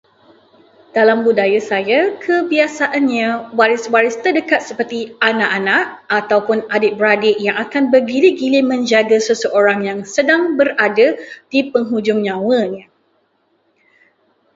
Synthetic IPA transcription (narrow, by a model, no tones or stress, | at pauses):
d̥alambudajasajakʰəbiasaʔanɲãwaɾɪswaɾɪst̪ərdəkat̪̚səpərt̪ianaʔanaʔ | at̪awpʊnadɪʔ̚bɾadɪʔjaŋakanbərɡiliɡilɪmə̃ɲd͡ʒaɡasəsəʔoɾaŋjaŋsədaŋbəradad̥ipəŋɦud͡ʒʊŋɲãwəɲa